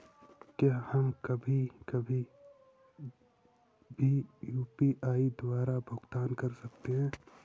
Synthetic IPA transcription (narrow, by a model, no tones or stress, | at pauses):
kjaːhɐmkɐbʱikɐbʱi | bʱijuːpiʔaːid̪waːɾabʱʊɡt̪aːnkɐɾsɐkt̪eɦɛ̃ː